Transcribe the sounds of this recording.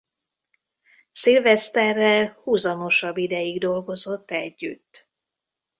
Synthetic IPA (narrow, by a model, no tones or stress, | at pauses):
silvɛst̪ɛrːɛlhuːzɒmo̞ʃɒbːid̪ɛjiɡd̪o̞lɡo̞zo̞t̪ːɛɟːy̰t̪ː